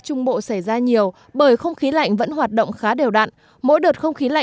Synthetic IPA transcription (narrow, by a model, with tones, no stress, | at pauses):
t͡ɕʊ˧ŋ͡mɓo̰˧˨sa˧˩jzaː˧ɲi˨˩əw | ɓəː˧˩jxə˧wŋ͡mxi˨˦la̰˧˨jŋ̟və̰˧˥nɦwaː˨˩t̚ɗə̰˧˨wŋ͡mxaː˨˦ɗe˨˩wɗa̰ː˧˨n | mo̰˧˥jɗəː˨˩t̚xə˧wŋ͡mxi˨˦la̰˧˨